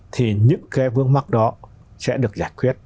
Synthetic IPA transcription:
t̪ʰi˨˩ɲɨ̰˧˥ŋke˨˦vɨ˧əŋma˦˥k̚ɗɔ˨˦ | sɛ̰˧˥ɗɨ˨˩ək̚zaː˧˩jkwi˦˥ət̚

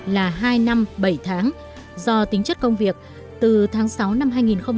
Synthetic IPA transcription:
laː˨˩ɦaː˧jna˧mɓə˧˩jt̪ʰaː˨˦ŋ | zɔ˧t̪ï˨˦ŋ̟t͡ɕə˦˥t̚kə˧wŋ͡mvi˨˩ək̚ | t̪ɨ˨˩t̪ʰaː˨˦ŋsa˨˦wna˧mɦaː˧jŋi˨˩nxə˧wŋ͡m

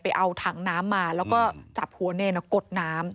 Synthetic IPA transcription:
pa˧jʔa˧wt̪ʰaː˩˦ŋnaː˦˥mːaː˧lɛː˦˥wkɔː˥˩t͡ɕa˨˩p̚hu˨˩˦neː˧na˨˧˩ko˨˩t̪̚naː˦˥m

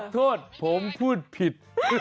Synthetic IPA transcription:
t̪ʰoː˥˩t̪̚pʰo˩˦mpʰuː˥˩t̪̚pʰi˨˩t̪̚

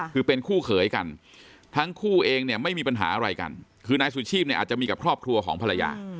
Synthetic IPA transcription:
kɯː˧pe˧nkʰuː˥˩kʰɤː˩˦jka˧n | t̪ʰa˦˥ŋkʰuː˥˩ʔeː˧ŋni˥˩ɐma˥˩jmiː˧pa˧nɦa̰ː˩˦ʔa˧ɾa˧jka̰˧n | kʰɯː˧naː˧jsu˨˩t͡ɕʰiː˥˩p̚ni˥˩ʔaː˨˩t̚t͡ɕa˨˩miː˧ka˨˩kʰɾɔː˥˩p̚kʰɾu˧ɐkʰɔː˩˦ŋpʰa˧la˧ja̰ː˧

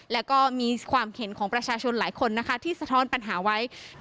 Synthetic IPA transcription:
lɛː˦˥wkɔː˥˩miː˧kʰwaː˧mkʰe˩˦nkʰɔː˩˦ŋpɾa˧t͡ɕʰaː˧t͡ɕʰo˧nlaː˩˦jkʰo˧nːa˦˥kʰa˦˥t̪ʰiː˥˩sa˨˧t̪ʰɔː˦˥npa˧nɦaː˩˦wa˦˥j

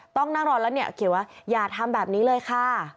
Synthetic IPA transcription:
t̪ɔ˥˩ŋna˥˩ŋɾɔː˧nlːni˥˩ɐkʰi˨˩˦waː˥˩jaː˨˩t̪ʰa˧mbɛː˨˩p̚niː˦˥lɤː˧jkʰa˥˩

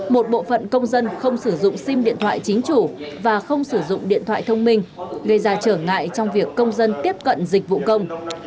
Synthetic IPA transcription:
mo˨˩t̚ɓo̰˧˨fə̰˧˨nkə˧wŋ͡mzə˧nxə˧wŋ͡msɨ˧˩zʊ̰˧˨ŋ͡msi˧mɗḭ˧˨ənt̪ʰwa̰ː˧˨jt͡ɕï˨˦ŋ̟t͡ɕu˧˩vaː˨˩xə˧wŋ͡msɨ˧˩zʊ̰˧˨ŋ͡mɗḭ˧˨ənt̪ʰwa̰ː˧˨t̪ʰə˧wŋ͡mmï˧ŋ̟ɣə˧˩jzaː˧t͡ɕəː˧˩ŋa̰ː˧˨jt͡ɕɔ˧wŋ͡mvi˨˩əkːə˧wŋ͡mzə˧nt̪i˦˥əp̚kə̰˧˨nzï˨˩k̟̚vṵ˧˨kə˧wŋ͡m

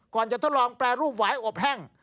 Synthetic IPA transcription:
kɔː˨˩nt͡ɕa˨˩t̪ʰo˦˥˩lɔː˧ŋplɛː˧ɾuː˥˩p̚waː˩˦jʔo˨˩p̚ɦɛː˥˩ŋ

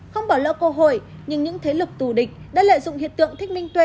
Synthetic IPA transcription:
xə˧wŋ͡mɓaː˨˩wlə̰ː˧˥kə˧ɦo̰˧˨j | ɲɨ˧ŋɲɨ̰˧˥ŋt̪ʰe˨˦lɨ˨˩k̚t̪u˧˩ɗï˨˩k̟̚ɗa̰ː˧˥lə̰ː˧˨zʊ̰˧˨ŋ͡mhḭ˧˨ənt̪ɨ̰˧˨əŋt̪i˦˥k̟̚mï˧ŋt̪we˧

